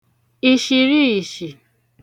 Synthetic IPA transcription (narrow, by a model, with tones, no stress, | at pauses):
i˧ʃi˧ɾi˦i˨ʃi˨